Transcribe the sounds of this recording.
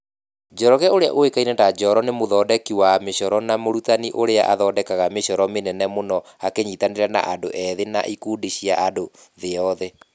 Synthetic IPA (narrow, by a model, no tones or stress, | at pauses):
d͡ʒɔɾɔɣɛoɾea̰ʔoekainɛndad͡ʒɔɾɔnemoðɔːdɛkiwameɕɔɾɔnamoɾutaniʔoɾea̰ʔaðɔdɛkaɣameɕɔɾɔmenɛnɛmonɔakeɲitaneɾana̰ʔadoʔɛðena̰ʔikuːdiɕiaʔadoðeɔðɛ